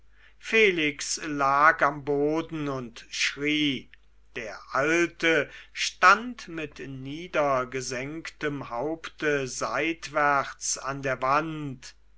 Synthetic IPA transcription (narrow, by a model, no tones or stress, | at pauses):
feːlɪkslaːkamboːdn̩ʊntʃʁiː | d̥eːɐʔaltəʃtantmɪtniːdɐɡəzɛŋktəmhaʊptəzaɪtv̥ɛɐt͡sandeːɐvant